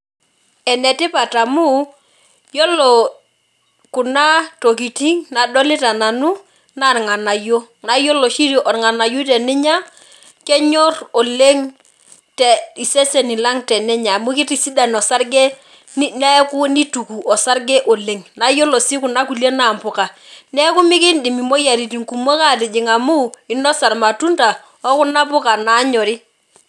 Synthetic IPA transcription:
ɛ˨nɛ˨tɪ˦pa˨ta˨mu˦ | jɔ˦lɔ˨ | ku˨na˦to˨k̬i˨ti˦ŋna˨dɔ˦lɪ˦ta˨na˨nu˦ | na˨ɾŋa˨na˨jo˦ | na˦jo˦lo˨ʃi˦ɾo˨ʔɔ˨ɾŋa˨na˨ju˦tɛ˨nɪ˦ɲa˦ | kɛ˦ɲɔ˦rɔ˨le˦ŋ | tɛ˨i˨sɛ˦se˨ni˨la˦ŋtɛ˨nɛ˦ɲa˨mu˦kɪ˦ti˦si˦da˨nɔ˨sa˦ɾɡɛ˦ | nɛ˦ku˦ni˦tu˨ku˨ʔɔ˨sa˦ɾɡɛ˦ʔɔ˨le˨ŋna˨jo˦lɔ˨si˦ku˨na˦ku˨le˦na˨mpʊ˨ka˨nɛ˦kʊ˦mɪ˦kɪ˦ndɪ˨mi˨mo˦ja˨ɾi˨ti˨ŋku˨mo˦ka˦˨tɪ˨d͡ʒɪ˨ŋa˨mu˦ɪ˨nɔ˦sa˨ɾma˨tu˦nta˨ | ɔ˦kʊ˦na˦pʊ˦ka˨na˨˦ɲɔ˨ɾi˦

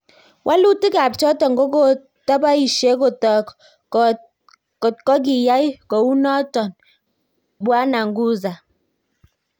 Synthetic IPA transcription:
wʔa˦lu˦ti˦ka˨p̚t͡ʃɔ˦tɔ˨ŋ˨ɡo˦ko˦ | tɔ˦pa˦i˨ʃe˦ko˨tɔ˨ | ko˨t̚kɔ˦ɡ̬i˨ja˦i˦kɔ˨wu˦nɔ˦tɔ˨n | bwa˦na˨ŋ̩˨ɡu˦za˨

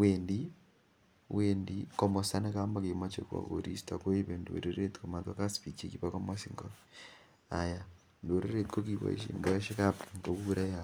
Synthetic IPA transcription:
weːndi˦ | wendikomo˨sa˦neka˦ma˦ke˨ma˦t͡ʃe˦kwa̰˨ko̰ɾi˦stakwe˦βe˨ndo̰˨ɾe˦ɾe˦ti̥koma˨twa˦ka˦si̥pi˨t͡ʃi˦ki˦βako˦masiŋɡo | a˨ja | ndo˨ɾe˦ɾe˦tko˦kiβa̰˨ḭ˨ʃḭ˨mbo˦e˦ʃi˦kapŋko˨ku˦ɾa˦a

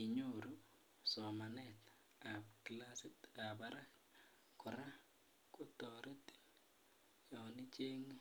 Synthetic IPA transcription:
i˨ɲo˦ɾu˦ | sɔ˨ma˨nɛ˨t̪ | a˨pkla˦sɪ˦ta˨ba˦ɾa˦k | kʊ˨ɾa˦ | ko˦tɔ˨ɾe˦ti̥˦ | jɔ˨nɪ˦t͡ʃe˦ŋ

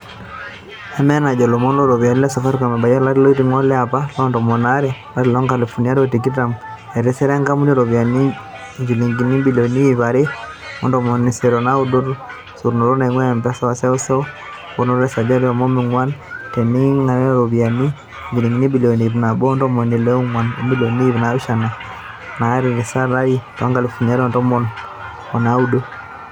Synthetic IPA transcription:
a˨mɛ˦na˨d͡ʒɔ˨lɔ˨mɔ˦ndɔ˦ɾɔ˨βja˨ni˦lɛ˦sɔ˨fa˦ɾka˨mɛ˨ba˨ja˦ɾla˦ɾi˦lo˦ti˨ŋɔ˦lɛ˦a˨pa˦lɔ˦ndɔ˨mɔ˨na˦ɾɛ˨la˦ɾi˨lɔ˦ŋka˨lɛ˨fu˨ni˨a˦dɔ˦ti˨ki˦ta˨m | ɛ˨ɾɛ˦sɛ˦ɾɛ˦ŋɡa˦mu˦dɔ˦ɾɔ˨βja˨ni˦ | ŋɡi˨li˨ŋɡi˨ni˦bi˨li˨ɔ˨ni˦wi˨βa˨ɾi˦ | ɔ˦ndɔ˨mɔ˨ni˨sɛ˨ɾɔ˨na˦u˦dɔ˦ɾ | su˨ɾno˨ɾɔ˦na˨˦ŋwɛ˦a˨mba˦sa˦wa˨sɛ˦ɔ˦sɔ˦ | fu˨nɔ˦ɾɛ˦sa˨d͡ʒa˦ɾa˨mɔ˦mi˨ŋwa˦ntɛ˨ni˦ŋa˨ɾɔ˦ɾo˨βja˨ni˦ | ɲd͡ʒi˨li˨ŋɡi˨ni˦bi˨lo˨ni˨βna˨bɔ˦ndɔ˦mɔ˨ni˨lɛ˦ŋwa˨n̰˨mbi˦lo˨niː˦βna˨˦i˦ʃa˨na˨ | na˨˦ɾi˨e˨sa˦ɾa˦i˦ta˦ŋɡa˨li˨fu˨ɲa˦ɾɔ˨ndɔ˦mɔ˨n | ɔ˨na˦u˦do˦

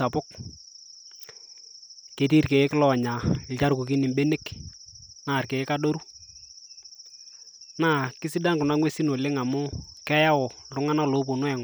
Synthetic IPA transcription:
a˨pʊ˦k | ke˨ti˦rke˨ɪ˦kɪ˦lɔ˨ɲa˨ɪ˨lt͡ʃa˦ɾku˨k̬ɪ˦nɪ˨mbe˦nɪ˦k | na˨rke˨ɪ˦ka˦do˦ɾu˦ | na˦˨kɪ˦sɪ˦da˦nkʊ˨na˦ŋwe˦si˦no˨lɪ˦ŋa˨mʊ˦kɛ˦ja˦wɔ˨lʊ˦ŋa˦na˦lo˦po˨no˦ɛ˨ŋ

